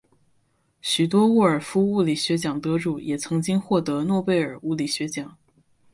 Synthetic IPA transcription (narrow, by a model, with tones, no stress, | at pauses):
ɕy˨˩t̪wɔ˥u˥˩ə˞˨˩fu˥u˥˩li˨˩ɕɥɛ˧˥t͡ɕjɑ˨˩ŋt̪ɤ˧˥ʈ͡ʂu˨˩˦jʔɛ˨˩t͡sʰɤ˧˥ŋt͡ɕi˥ŋxwɔ˥˩t̪ɤ˧˥nwɔ˥˧pe˥˩ɪə˞˨˩u˥˩li˨˩ɕɥɛ˧˥t͡ɕjɑ˨˩˦ŋ